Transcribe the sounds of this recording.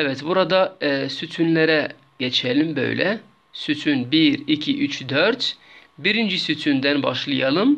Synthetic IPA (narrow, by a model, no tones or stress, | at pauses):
ɛvɛt̪buɾad̪asyt̪ʰynlʲeɾɛ | ɟ̥et͡ʃʰɛlʲimbø̞̰jlɛ̰ | syt̪ʰynbiɾicʰiʔyt͡ʃd̪øɾt̪biɾind͡ʒisyt̪ʰynd̪ænbɑʃlˠɯjɑlˠɯm